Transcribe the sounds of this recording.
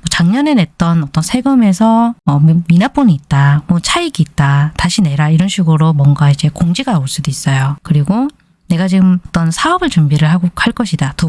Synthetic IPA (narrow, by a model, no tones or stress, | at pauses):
mʌt͡ɕaŋɲʌnene̞t̚t͈ʌnʌt͈ʌnsʰe̞ɡɯme̞sʰʌːminap͈oniːt̚t͈amwʌt͡ɕʰaiɡiːt̚t͈ataɕʰine̞ɾaiɾʌnɕʰiɡɯɾomwʌŋɡaid͡ʑe̞koŋd͡ʑiɡaoɭs͈udois͈ʌjokɯɾiɡo | ne̞ɡat͡ɕiɡɯmʌt͈ʌnsʰaʌbɯɭt͡ɕumbiɾɯɭɦaɡohaɭk͈ʌɕʰidato